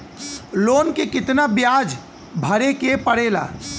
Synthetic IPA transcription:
loːnkekɪt̪nabjaːd͡ʒ | bʱɐɾekepəɽeːla̰ː

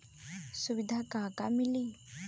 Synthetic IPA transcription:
subid̪ʱakãːkamili

